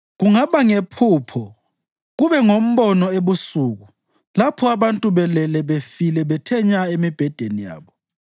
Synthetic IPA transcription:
ɣuŋaβaŋepʰuːpʰɔ | ɣuβɛŋom̩βɔnɔeβusuːɣu | lapʰɔaβantʼuβɛlɛlɛβefilɛβɛtʰɛɲaemib̥ʱɛd̥ʱenija̰ːβɔ

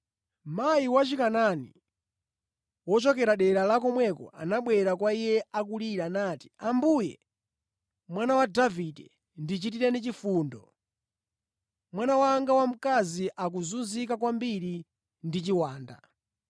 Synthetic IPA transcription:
majiwat͡ʃikananḭ | wɔt͡ʃɔkɛɾaɗɛɾalakɔmwɛkɔ̰a̰naɓwɛɾakwaijɛakuliɾanaːti̥ambujɛ | mwanawadavidɛ | ndit͡ʃitiɾɛnit͡ʃifuːndɔ | mwanawaŋɡawam̩kaziʔak̬uzunzikakwambiɾi | ndit͡ʃiwaːnda̰

